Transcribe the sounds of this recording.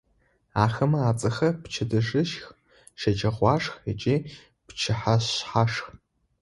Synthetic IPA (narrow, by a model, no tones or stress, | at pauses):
aːxɐmɐaːt͡sʼɐxɐpt͡ʃʰɐdɨʐɨʃx | ʃɐd͡ʒɐʁʷɑːʂxɐt͡ʃʼiː | pt͡ʃʰɪħaɕħaʂx